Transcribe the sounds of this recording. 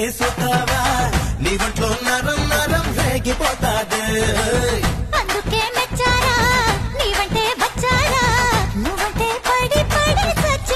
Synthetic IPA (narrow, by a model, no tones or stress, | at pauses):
esot̪aːʋaniːʋɐɳʈloːnɐɾɐmnɐɾɐmleːɡipɔːt̪aːd̪e | ɐnd̪ukeːmɛt͡ʃːaːɾaːniːʋɐɳʈeːʋɐt͡ʃːaːɾaːnuʋɐɳʈeːpɐɽipɐɽit͡ʃɐt͡ʃː